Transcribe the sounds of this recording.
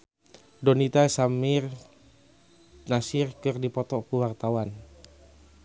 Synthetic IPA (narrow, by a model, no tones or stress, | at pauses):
dɔnit̪asamir | nasɪrkɨrdipɔt̪ɔkuwart̪awan